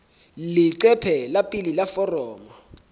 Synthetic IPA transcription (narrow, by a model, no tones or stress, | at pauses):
liǀɛpʰɛlapʼililafɔrɔːmɔ